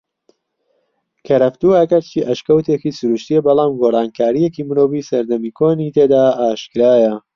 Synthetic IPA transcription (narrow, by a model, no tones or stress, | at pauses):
kʰɐɾɐft̪uɐkɐɾt͡ʃiʔɐʃkɐwt̪ekiːsʊɾuʃt̪ijɐbɑlˠaːmɡorˤɑːnkʰaːɾijecimɨɾoːviːsɐɾd̪ɐmiːkʰoːnit̪ʰed̪aːaːʃkɨɾaːjɐ